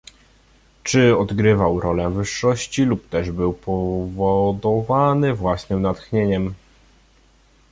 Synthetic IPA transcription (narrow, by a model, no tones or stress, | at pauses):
t͡ʂɘɔd̪ɡɾɘvawɾɔlɛvɘʂːɔɕt͡ɕilupt̪ɛʐbɘwpʰɔvɔd̪ɔvanɘvwasnɘmnat̪xɲeɲɛm